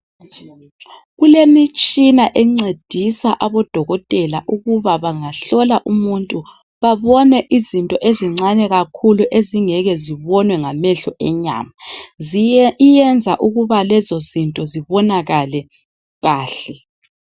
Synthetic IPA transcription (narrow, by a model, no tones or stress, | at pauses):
ɣulemit͡ʃʼinaʔɛŋ͡ǀed̥ʱisaʔaβɔd̥ʱɔɣɔtʼɛlaʔuɣuβaβaŋaɬɔlaʔumuntʼu | βaβɔnɛʔizintʼɔʔeziŋ͡ǀanɛɣakʰuluʔeziŋɛɣɛziβɔnwɛŋamɛɬɔʔɛɲa̰ːma | ijɛnd͡zʱaʔuɣuβalɛzɔzintʼɔziβɔnaɣalɛ | ɣaːɬɛ